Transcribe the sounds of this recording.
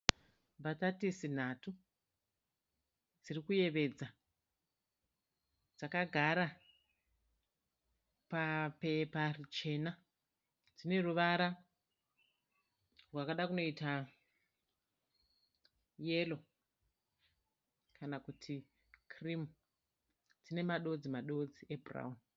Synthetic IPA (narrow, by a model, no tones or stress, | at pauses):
bʱatatisin̤atu | d͡zirikuje̞ʋe̞d͡za | d͡zakaɡʱaɾa | pape̞parit͡ʃe̞ːna | d͡zine̞ruʋaɾa | rwakaɗakuno̞ita | je̞lo̞ | kʰanakutʰi | kʰrim | d͡zine̞maɗo̞d͡zimaɗo̞d͡ziʔe̞bura̰un